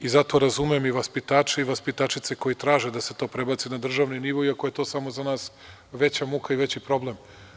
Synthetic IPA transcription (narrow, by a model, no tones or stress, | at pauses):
izat̪o̞ɾazumiemiʋaspit̪aːt͡ʃeiʋaspit̪at͡ʃit̪se̞ko̞jit̪ɾaːʒed̪aset̪o̞ːpɾe̞bat̪sinad̪r̩ʒaʋniniʋo̞iakoje̞t̪o̞ːsamo̞zanaːs | ʋe̞t͡ɕamukaiʋe̞t͡ɕipɾo̞blem